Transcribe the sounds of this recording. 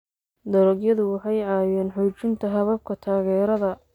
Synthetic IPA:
d̪ɐɾɔɡjɐðʊwɑħɑjʕɑːjɛːnħɔːt͡ʃɪnt̪ʰɐɦɐβɐb̚kʰɐt̪ʰaːɣɛːɾɐðɐ

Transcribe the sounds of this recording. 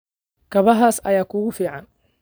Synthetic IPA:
kʰɐβɐɦaːsɐ̰jaːkʰʊɣʊfiːʕɑn

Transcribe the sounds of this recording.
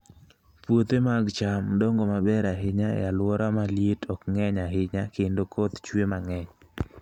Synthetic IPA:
pwot̪emaɡt͡ʃamdɔŋɡomabɛɾaɦɪɲaɛ̰alwɔɾamaljetʰɔkŋɛɲaɦɪɲakendokʰot̪t͡ʃwemaŋɛɲ

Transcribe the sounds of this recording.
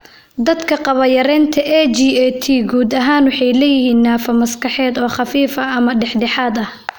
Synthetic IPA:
d̪ɐd̪kʰɐqɑβɐjɐɾɛːnt̪ʰɐʔɛd͡ʒiːɛt̪ʰiːɡuːd̪ɐɦaːnwɑħɑjlɛjɪɦiːnːaːfɐmɐskɑħɛːd̪ɔːχɑfiːfɐɐmɐɖɛħɖɛħaːd̪ɐh

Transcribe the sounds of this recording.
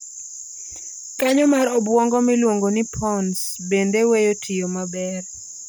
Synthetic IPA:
kaɲɔmaɾɔbwɔŋɡɔmɪlwoŋɡonɪpʰɔnsbendewejotʰɪjomabɛr

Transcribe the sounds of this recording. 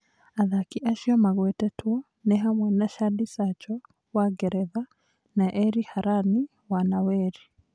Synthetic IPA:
aðakiʔaʃiɔmaɣwɛtɛtuɔ | nɛɦamwɛnaʃadisat͡ʃɔ | waɡɛɾɛða | naʔɛɾihaɾani | wanawɛɾi

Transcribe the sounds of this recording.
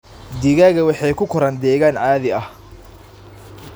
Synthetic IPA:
d̪iːɣaːɣɐwɑħɑjkʰʊkʰʊɾɐnd̪ɛːɣaːnʕaːðɪɐh

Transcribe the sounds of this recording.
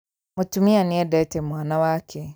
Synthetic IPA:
mutumianĩɛdɛtemwaːnawaːkʰɛ

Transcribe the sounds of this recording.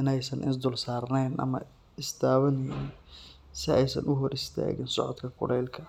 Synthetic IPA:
ɪnɛjsɐnʔɪsd̪ʊlsaːrnɛjnʔɐ̰mɐ̰ | ɪst̪ʰaːβɐnɛjn | sɪɛjsɐ̰nʔʊɦɔɾɪst̪ʰa̰ːɣɪnsɔʕɔ̰d̪kʰɐkʰʊ̰ɽɛjlkʰɐ

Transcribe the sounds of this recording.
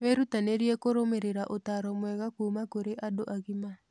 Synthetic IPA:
weɾutaneɾiekoɾomeɾeɾaʔotaɾɔmwɛɣakuːmakoɾeʔadoʔaɣima

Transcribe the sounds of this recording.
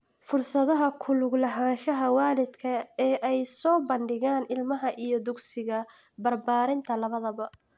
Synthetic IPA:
fʊrsɐðɐɦɐkʰʊlʊɡlɐɦaːnʃɐɦɐwaːlɪd̪kʰɐɛːʔɛjsɔːbɐnɖɪɣaːnɪlmɐɦɐʔijɞd̪ʊɡsɪɣɐ | bɐrbaːɾɪnt̪ʰɐlɐβɐðɐβɐ

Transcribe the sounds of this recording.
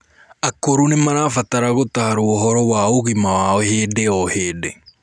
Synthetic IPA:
akoɾunemaɾaːfataɾaɣotahaɾuoɦɔɾɔwaːoɣimaaheːdeɔheːde

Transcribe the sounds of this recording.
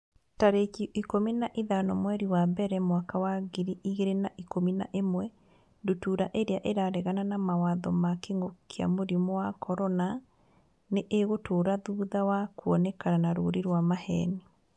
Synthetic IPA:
taɾekiʔikominaʔiðanɔmwɛɾiwabɛɾɛmwakawaɡiɾiʔiɣeɾenaʔikomina̰ʔemwɛ | ndutuɾaʔeɾeaʔeɾaɾɛɣananamawaðɔmakeŋɡokʰea̰moɾimɔwakɔɾɔna | neʔeɣotʰoːɾaðuðawakuɔnɛkananaɾoɾiɾwamahɛ̰ni

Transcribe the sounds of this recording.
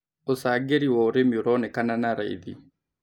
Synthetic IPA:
osaːɡeɾiwɔɾemoɾɔnɛkananaɾaḭðḭ

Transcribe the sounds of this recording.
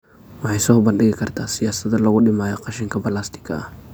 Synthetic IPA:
wɑħɑjsɔːbɐnɖɪɣɪkʰɐrt̪ʰaːsɪjaːsɐd̪ɐlɐɣʊɗɪmaːjɔqɑʃɪŋkʰɐbɐlaːst̪ʰɪ̥kʰɐ̰ɐh

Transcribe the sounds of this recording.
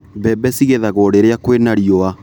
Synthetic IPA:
bɛbɛsiɣeðaɣɔːɽeɾeakwenaɾiɔa

